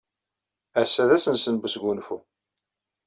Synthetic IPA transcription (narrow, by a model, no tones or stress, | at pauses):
æsːæðæsənsənbəsɡunfu